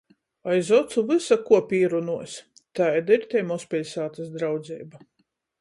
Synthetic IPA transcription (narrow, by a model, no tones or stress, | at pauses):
ajzɔt̪suvɨsakuɔpʲiːɾunuɔsʲ | t̪ajd̪aiɾt̪ʲɛjmɔspʲilʲsaːt̪asd̪ɾawd̪zʲɛ̰jba